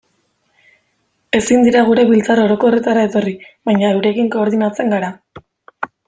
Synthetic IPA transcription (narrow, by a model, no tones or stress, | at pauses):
e̞sind̪iɾaɣ̞uɾe̞βilt͡saɾo̞ɾo̞ko̞re̞t̪aɾaet̪o̞riβajɲae̞wɾe̞kiŋko̞ːɾðinat͡se̞ŋɡaɾa